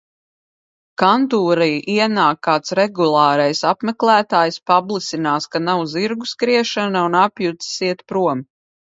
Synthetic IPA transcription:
kant̪uːɾijʔiɛnaːkːaːt̪sɾɛɡulˠɑːɾɛjsapmɛklæːt̪aːjspablˠisinaːskanawziɾɡuskɾiɛʃanaunapjut̪siɛt̪pɾuɔm

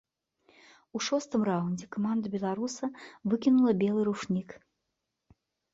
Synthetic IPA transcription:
uʂɔst̪ɨmraunʲd͡zʲɛkɐmand̪ɐbʲɛlˠaɾusɐvɨkʲinulˠɐbʲɛlˠɨɾuʂnʲik

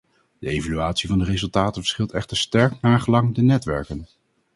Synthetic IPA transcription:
d̥əejvalyaːtsivɑndərezɵlˠtaːtənvəɹsχɪlˠtɛχtəɹstɛɹknaːχəlɑŋdənɛtʋɛ̰ɹkən

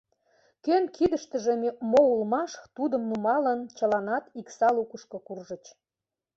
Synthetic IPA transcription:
kønkid̪əʃt̪əʒĕmemoulmɑʃt̪ud̪əmnumɑlənt͡ɕə̆lɑnɑt̪iksɑlukəʃkŏkurʒə̆t͡ɕ

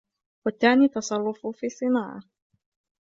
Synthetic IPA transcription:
kɔt̪anit̪asaɾufufisinaʔa̰

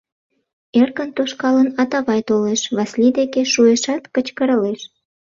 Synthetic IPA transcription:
erkənt̪oʃkɑlənɑt̪ɑβɑjt̪oleʃβɑslid̪ekeʃueʃɑt̪kət͡ɕkəɾəleʃ

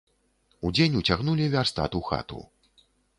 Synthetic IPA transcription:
ud͡zʲenʲut͡sʲaɣnulʲivʲarst̪a̰t̪uxa̰t̪ṵ

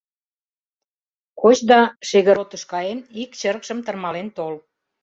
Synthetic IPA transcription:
kot͡ɕd̪ɑʃeɣə̆ɾot̪əʃkɑjenikt͡ɕəɾəkʃəmt̪ərmɑlent̪ol

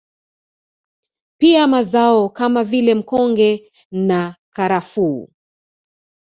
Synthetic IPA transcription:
piamazaɔkamavilɛm̩kɔŋɡɛ | nakaɾafṵː

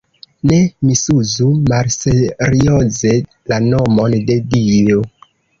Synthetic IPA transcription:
ne̞misuzumalseɾioze̞ | lano̞mo̞nde̞dio

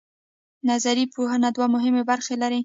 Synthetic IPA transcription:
nazaɾipoɦənad̪wamʊɦɪmebaɾxelaɾi

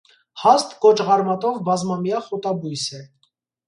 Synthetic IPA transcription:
hɑst̪kɔt͡ʃʁɑɾmɑt̪ɔvbɑzmɑmjɑχɔt̪ɑbujsɛ

